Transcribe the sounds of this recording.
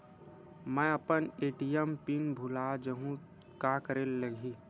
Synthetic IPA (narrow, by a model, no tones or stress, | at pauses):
mɛ̃ɐpəneːʈijəmpinbʱulad͡ʒəɦũ | kaːkəɾeːlːəɡʱiː